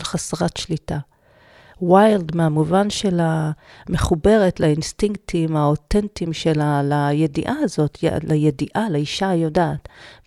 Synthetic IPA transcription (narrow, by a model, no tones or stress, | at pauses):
lχasʁatʃlita | wajldmeamuvanʃe̞lame̞χube̞ʁe̞tlainstiŋk̚timaotentimʃelalajedḭʔaazo̞tʰa̰lajediʔalaiʃajo̞daːt